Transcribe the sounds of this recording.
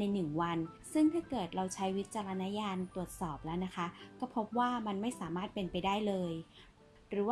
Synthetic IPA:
na˧jnɯ˨˩ŋwa˧nsɯ˥˩ŋt̪ʰaː˥˩kɤː˨˩t̪̚ɾa˧wt͡ɕʰa˦˥jwi˦˥t̪̚t͡ɕa˧ɾa˧na˦˥jaː˧nt̪u˨˩ət̪̚sɔː˨˩p̚lɛː˦˥wna˦˥kʰa˦˥kɔː˥˩pʰo˦˥p̚waː˥˩ma˧nma˥˩jsaː˩˦maː˥˩t̪̚pe˧npa˧jdaː˥˩jlɤː˧j | ɾɯː˩˦w

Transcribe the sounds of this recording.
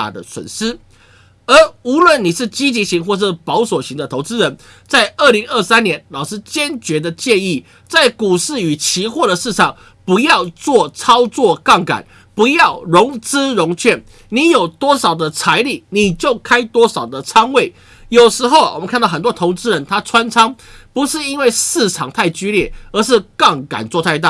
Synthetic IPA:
a̰˨˩d̪ə̰˨swə̰˨˩nʂɻ̩˥ | ə˧˥u˧˥lwə˥˨˩ni˨˩ʂɻ̩˥˩t͡ɕi˥t͡ɕi˧˥ɕi˧˥ŋxwɔ˥˧ʂ̬̩˥˩pɑ˧˥ʊswɔ˨˩ɕi˧˥ŋd̪ə˧t̪ʰo˧˥ʊt͡sɹ̩˥ɻə˧˥n | t͡sa˥˧ɪʔə˥˩li˧˥ŋə˥˩sa˥njɛ˧˥nlɑ˨˩ʊʂɻ̩˥t͡ɕjɛ˥nt͡ɕɥɛ˧˥d̪ə˧t͡ɕjɛ˥˧ni˥˩ | t͡sa˥˩ɪku˨˩ʂɻ̩˥˩y˨˩t͡ɕʰi˧˥xwɔ˥˩d̪ə˩ʂɻ̩˥˧ʂɑ˥˩ŋ | pu˧˥jɑ˥˧ʊt͡swɔ˥˨˩t͡sʰɑ˥ʊt͡swɔ˥˧kɑ˥˩ŋka̰˨˩˦n | pu˧˥jɑ˥˩ʊɻʊ˧˥ŋt͡sɹ̩˥ɻʊ˧˥ŋt͡ɕʰɥɛ˥˩n | ni˧˥jo˨˩ʊt̪wɔ˥ʂɑ˨˩ʊd̪ə˦t͡sʰa˧˥ɪli˨˩ni˨˩t͡ɕjo˥˩ʊkʰa˥ɪt̪wɔ˥ʂɑ˨˩ʊd̪ə˦t͡sʰɑ˥ŋwe˥˩ɪ | jo˨˩ʊʂɻ̩˧˥xo˥˩ʊwɔ̰˨˩mə˨nkʰa˥˧nt̪ɑ˥˩ə˨˩nt̪wɔ˥t̪ʰo˧˥ʊt͡sɻ̩˥ɻə˧˦nt̪ʰa˥t͡sʰwa˥nt͡sʰɑ˥ŋ | pu˧˥ʂɻ̩˥˧i˦˥nwe˥˧ɪʂɻ̩˥˩t͡sʰɑ˨˩ŋt̪ʰa˥˩ɪt͡ɕy˥ljɛ˥˩ə˧˥ʂ̬ɻ̩˥˧kɑ˥˩ŋka̰˨˩nt͡swɔ˥˧t̪ʰa˥˧ɪt̪a̰˥˩˨

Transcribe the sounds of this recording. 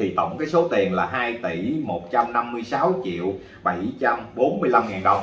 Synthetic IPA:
i˨˩t̪ə̰˧˨wŋ͡mkaː˨˦jso˨˦t̪i˨˩ənlaː˨˩ɦaː˧jt̪i˧˩mo˨˩t̚t͡ɕa˧mna˧mːɨ˧əjsaː˨˦wt͡ɕḭ˧˨əw | ɓa˧˩jt͡ɕa˧mɓo˨˦nmɨ˧əjla˧mŋaː˨˩nɗə˨˩wŋ͡m

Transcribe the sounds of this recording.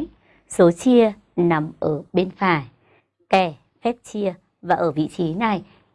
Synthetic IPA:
so˨˦t͡ɕi˧ə | na˨˩mʔəː˧˩ɓe˧nfaː˧˩j | kɛ˧˩ | fɛ˦˥t̚t͡ɕi˧ə | vaː˨˩ʔəː˧˩vḭ˧˨t͡ɕi˨˦na˨˩j

